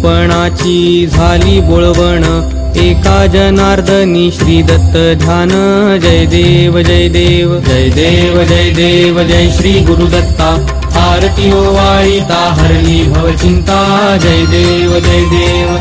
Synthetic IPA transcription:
pɐɳaːt͡ʃiːd͡zʱaːliːboɭʋəɳə | eːkaːd͡ʒɐnaːɾd̪ʱəniːɕɾiːd̪ɐt̪ːəd̪ʱjaːnəd͡ʒɐjd̪eːʋəd͡ʒɐjd̪eːʋd͡ʒɐjd̪eːʋɐd͡ʒɐjd̪eːʋɐd͡ʒɐjʃɾiːɡuɾud̪ɐt̪ːaː | pʰaːɾt̪ijoːʋaːɭit̪aːɦɐɾliːbʱɐʋɐt͡ʃint̪aː | d͡ʒɐjd̪eːʋɐd͡ʒɐjd̪eːʋ

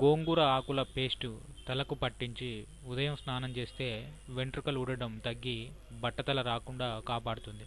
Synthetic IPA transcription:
ɡo̞ːŋɡuɾɐaːkulɐpe̞ːsʈu | t̪ɐlɐkupɐʈːiɲt͡ʃi | ud̪ɐjɐmsnaːnɐmt͡ʃe̞ːst̪e̞ːʋe̞ɳʈɾukɐluɽɐɽɐmt̪ɐɡːi | bɐʈːɐt̪ɐlɐɾaːkuɳɖaːkaːpaːɽut̪und̪i

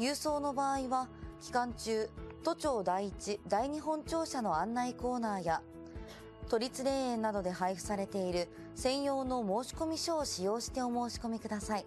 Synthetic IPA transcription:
jɯːso̞ːno̞baːiβakʲi̥kãɲ̟t͡ɕɨːt̪o̞t͡ɕo̞ːd̪aiːt͡ɕid̪aiɲ̟iɦõ̞ɲt͡ɕo̞ːɕano̞ãnːaiko̞ːnaːja | t̪o̞ɾʲit͡sɨɾe̞ːẽnːad̪o̞d̪e̞ɦaiɸɯ̟̥saɾe̞t̪e̞iɾɯ̟ | sẽ̞ɰ̃jo̞ːno̞mo̞ːɕi̥ko̞mʲiɕoːɕijo̞ːɕi̥t̪e̞o̞mo̞ːɕi̥ko̞mʲikɯ̟d̪asai

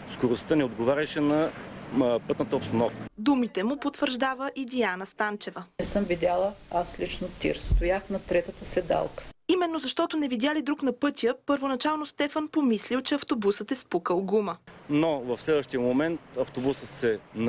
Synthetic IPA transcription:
skoɾost̪ənɛod̪ɡovaɾʲɛʃɛnɐ | pɤt̪nət̪əopst̪ɐnɔfkə̥d̪umit̪ɛmʊpot̪vəɾʒd̪avəʔid̪ianəst̪ant͡ʃɛvəɛsəmvid̪ʲalˠəaslʲit͡ʃnot̪ʲḭɾst̪ojaxnɐt̪ɾɛt̪ət̪əsɛd̪a̰lˠkə̥imɛnːozɐʃt̪ɔt̪onɛvid̪ʲjalid̪ɾuknɐpɤt̪ʲjəpəɾvonɐt͡ʃalˠnost̪ɛfənpomislilˠt͡ʃɛɐft̪obusət̪ɛspukəlˠɡumənovɐfslɛd̪vəʃt̪ijəmomɛnt̪ɐft̪obusəsɛn

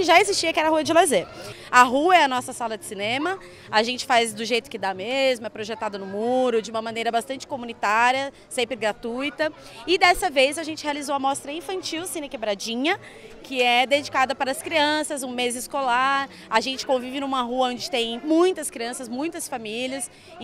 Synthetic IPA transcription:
ɪʒaezist͡ʃiɐkɪɛɾɐhuɐd͡ʒɪlazeɾ | ɐɦuɐɛɐnɔsɐsalɐd͡ʒɪsinẽmɐ | aʒẽnt͡ʃɪ̥fajzd̪ʊʒejt̪ʊ̥kɪd̪amezmʊɛpɾoʒet̪ad̪ɐnʊmuɾʊd͡ʒɪũmɐmɐ̃nejɾɐbast̪ɐ̃nt͡ʃɪ̥komũnit̪aɾjɐ | sẽmpɾɪɡɾat̪ujt̪ɐ | ɪd̪ɛsɐvejzaʒẽnt͡ʃɪhealizowɐmɔst̪ɾɐĩfɐ̃nt͡ʃiwsĩnɪkebɾad͡ʒĩɲɐ | kɪɛd̪ed͡ʒikad̪ɐpaɾɐːskɾiɐ̃sɐzũmezɪskolaɾ | aʒẽnt͡ʃɪ̥kõvivɪnũmɐɦuɐõd͡ʒɪt̪ẽj̃mũj̃t̪ɐskɾiɐ̃sɐzmũj̃t̪ɐsfamilʲɐs

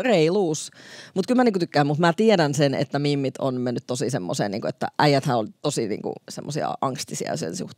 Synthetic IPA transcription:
reiluːsmut̪kylmæniːkut̪ykːæːmmut̪mæt̪ieɾænsenḛt̪ːæmimːit̪ʰo̰nmenːyt̪t̪osisemːosḛːnḭːŋkuet̪ːæ̰ʔæijæt̪hæolt̪osinḭːŋkṵsemːosiɑ̰ʔɑŋst̪isḭɑ̰sḛnsṵht̪e

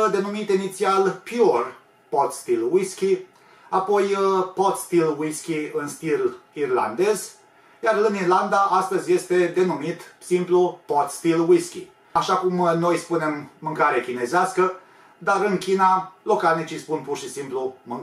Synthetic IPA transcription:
d̪e̞numit̪init̪sialpjor | pot̪st̪ilwiskʲi | apo̞jpot̪st̪ilwiskʲiɨnst̪ilirla̰nd̪e̞z | jarɨnirland̪aʔast̪əzʲje̞st̪e̞d̪e̞numit̪simplupot̪st̪ilwiskʲḭ | aʃakumno̞jspune̞mːɨŋkaɾeakʲine̞zeaskə | d̪aɾɨnkʲinalo̞kanit͡ʃispunpurʃisimplumɨŋ

